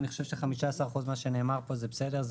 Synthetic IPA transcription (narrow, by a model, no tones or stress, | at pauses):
niχoʃevʃeχamiʃaasaʁχuzmaʃeneːmaʁpo̞zebesede̞ʁz